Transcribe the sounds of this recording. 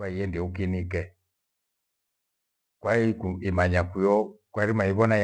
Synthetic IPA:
aijɛndiukinikɛ | kwaikuimaɲakujɔkwaɾimaiβɔnaj

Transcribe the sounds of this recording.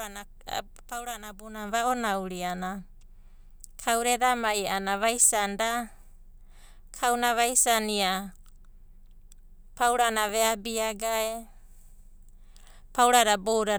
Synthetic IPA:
a | pawɾanabunaβaonawɾiana | kʰawɾedamajanaβajsanda | kʰawnaβajsania | pawɾanaβeabiaɡae | pawɾaɾabowɾa

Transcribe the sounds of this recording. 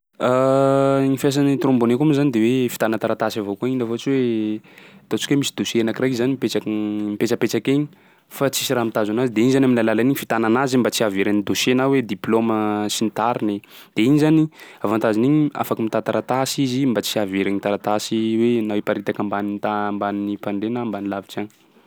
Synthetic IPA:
a | ŋifas̬anit̪ɾõmbonekumizanid̪ewefi̥t̪anət̪aɾat̪asavokuainavoat͡siwe | t̪ot͡si̥kemisid̪oʃeenakrajkzanimipet͡ʃakmipet͡ʃəpet͡ʃakeɲi | fat͡si̥siɾamit̪azanazid̪einizanaminlalalaniɲifit̪ananazimbat͡siaveɾanid̪oʃenawed̪iploməsinit̪aɾine | d̪̥eiɲizaniavant̪aziniɲia̰fakəmit̪at̪aɾat̪asizimbat͡siaveɾaɲit̪aɾat̪asiwenaepaɾit̪akambanint̪ambaninipaɳɖ͡ʐenambanilavit͡sani̥

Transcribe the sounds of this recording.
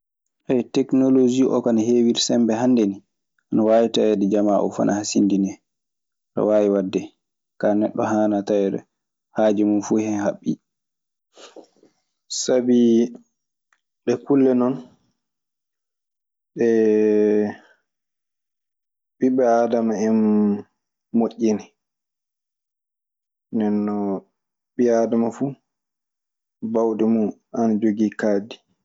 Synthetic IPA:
ʔɛjtɛknolod͡ʒiʔɔ̰kanaheːwiɾsɛmbɛɦandeni | ʔanawaːjitajɛdɛd͡ʒamaʔɔ̰fa̰nʔahasindinɛ | ɗɔ̰waːwiwadːɛ | kanɛɗːɔɦaːnatajɛɗɛ̰ | haːd͡ʒɛmunfuhɛɦaɓːi | sabi | ɗɛkulːɛnɔn | ɗɛ | ɓiɓɛaːdamaɛn | oʔːinɛ | ndɛnːɔ | ɓiaːdamafu | bawɗɛmuanad͡ʒoɡikaːdi

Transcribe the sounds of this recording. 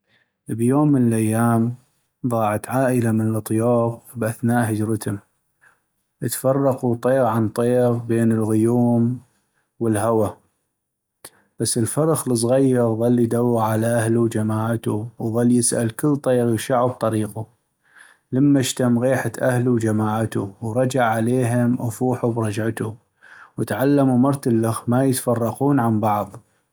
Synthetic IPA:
bjoːmːənəlʔajːaːm | ðˤɑːʕat̪ʕaːʔəlamənəlʔt̪ˤjɑːɣbʔaθnaːʔɦəd͡ʒɾət̪ʊm | ʔət̪fɑrˤːɑqut̪ˤeːɣʕant̪ˤeːɣbeːnəlɣʊjuːm | wəlɦawa | b̥asːəlfɑɾˤɑxləs̬ˤɣajːɑɣɣɑlːijd̪awːaʕalaʔahluwd͡ʒamaːʕt̪uwɣɑlːjɪsʔa̰lkɪlːt̪ˤeːɣʃaʕab̚t̪ˤɑɾiːqu | lamːaʃt̪amɣiːħat̪ʔahluwd͡ʒamaːʕat̪uwɾˤɑd͡ʒaʕʕaleːɦɪmʔafuːħubɾˤɑd͡ʒʕat̪u | wət̪ʕalːamumɑɾˤt̪alːaxmajɪt̪fɑrˤːɑquːnʕambɑʕðˤ

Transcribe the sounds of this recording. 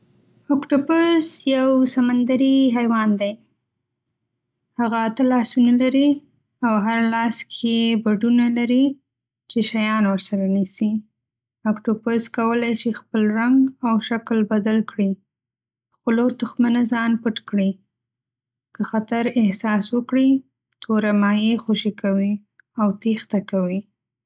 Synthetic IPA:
akʈopʊsjawsamand̪aɾiɦajwɑnd̪aj | haɣat̪alɑsunalaɾi | awɦaɾalɑskʰebaɖunalaɾi | t͡ʃeʃajɑnwəɾsaɾanisi | akʈoposkawəlajʃixpəlɾaŋɡawʃaklbad̪alkɽi | xʊlot̪ʊxmanazɑnpəʈkɽi | kəxat̪aɾɪhsɑswəkɽi | t̪ʰoɾamɑjexoʃikawi | awt̪ixt̪akawi

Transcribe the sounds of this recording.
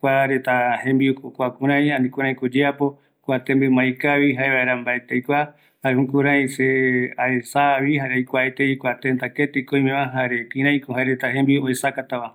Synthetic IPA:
kʷaɾet̪ahẽmbikokʷakũɾ̃ãj̃ãnĩkũɾ̃ãj̃kod͡ʒeapo̞ | kʷat̪ẽmbɨmãjkaβiɦaeβaeɾambaet̪ejkʷa | haɾehũkũɾãj̃seaesaβihaɾejkʷaet̪eikʷat̪ent̪aket̪ekoĩmẽmãɦaɾekĩɾãj̃koɦaeɾet̪aɦẽmbioesakat̪aβa

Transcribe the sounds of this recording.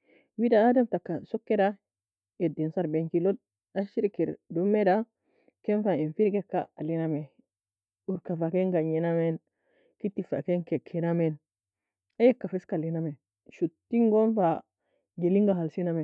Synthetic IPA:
widaademtakːasokːeda | edinsaɾbeŋkilod̚ | aʃiɾkeɾdomːeda | kenfainfiɾɡekːa̰aliname | uɾkafakeŋɡaɲinamen | kitːifa̰keŋkekʰenamen | ajekːafeskaliname | ʃutːiŋɡonfa | ɡeliŋɡaɦalsiname

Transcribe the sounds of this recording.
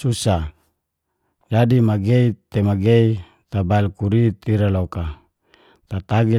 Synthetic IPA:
susa | d͡ʒadimaɡeit̪emaɡei | t̪abalkuɾit̪iɾaloka | t̪at̪aɡi

